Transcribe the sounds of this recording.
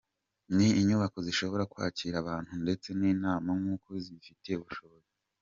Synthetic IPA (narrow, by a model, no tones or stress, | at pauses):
niːɲuβako̞ziʃo̞βo̞ɾakwa̰ːciɾaβaːn̥hunde̞t͡se̞niːnaːmaŋŋuːkozifiteeuβuʃo̞βoze